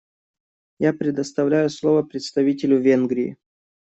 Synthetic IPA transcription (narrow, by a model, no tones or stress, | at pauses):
japɾʲɪd̪əst̪ɐvlʲæjʊslˠovəpɾʲɪt̪st̪ɐvʲitʲɪlʲʊvʲenɡɾʲɪɪ̰